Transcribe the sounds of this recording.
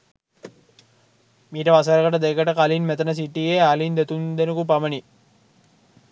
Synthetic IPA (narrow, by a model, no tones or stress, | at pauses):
miːʈəʋasaɾəkəʈəd̪ejkəʈəkalinmɛt̪ənəs̬iʈːijealind̪et̪und̪enəkup̬aməni